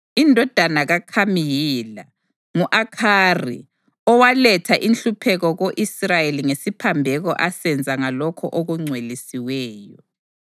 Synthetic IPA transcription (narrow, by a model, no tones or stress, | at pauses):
indʱɔd̥ʱanaɣakʰamijila | ŋuʔakʰaːrḭ | ɔwalɛtʰaʔinɬupʰɛɣɔɣoʔisrajeliŋesipʰambʱɛɣɔ̰ʔasɛnd͡zʱaŋalɔkʰɔʔoɣuŋ͡ǀʱwelisiwɛːjɔ